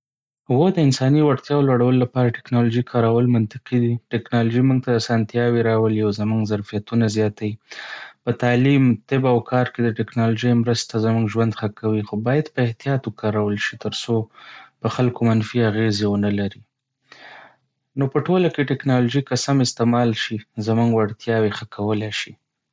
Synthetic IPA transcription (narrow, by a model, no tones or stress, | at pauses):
hʊɣojd̪əɪnsɑniwaɽt̪jɑwlwaɽawəlolapɑɾaʈɪ̥knɑloʒikʰɑɾawəlmant̪ɪqid̪iʈɪknɑloʒimuŋɡt̪aasɑnt̪jɑweɾɑwəliawzamuŋɡzaɾfijat̪unazjɑt̪awipət̪ɑlimt̪ɪbawkʰɑɾked̪əʈɪknɑloʒəjmɾəst̪azəmuŋɡʒwand̪xakawixobɑjad̪pəɪht̪ijɑt̪okʰɑɾawəlʃit̪əɾsopəxalkomanfiaɣezewənalaɾi | nopəʈolakeʈɪknɑloʒikasamɪst̪emɑlʃizamuŋɡwaɽt̪jɑwexəkʰawəlajʃi